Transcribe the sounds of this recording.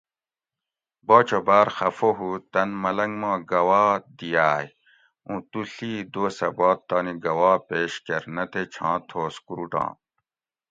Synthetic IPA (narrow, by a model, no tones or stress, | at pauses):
boːt͡ɕʰobaːɾxɐfoɦut̪ɐnmɐlɐŋɡmãːɡɐwaːd̪ijaːj | ũt̪uɬiːd̪oːsɐbaːt̪̚t̪ːaːniɡɐwaːpeːɕkɐɾnɐt̪et͡ɕʰɑ̃ːt̪ʰoːskuɾuʈɑ̰̃ː